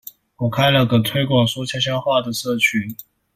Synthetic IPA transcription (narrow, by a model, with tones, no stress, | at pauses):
wɔ˨˩kʰa˥ɪlə˨kə˨˩t̪ʰwe˥ɪkwɑ˨˩ŋsu˥t͡ɕʰja˥ɕ̬jɑ˥nxwa˥˩d̪ə˩ʂɤ˥˩t͡ɕʰy˥˦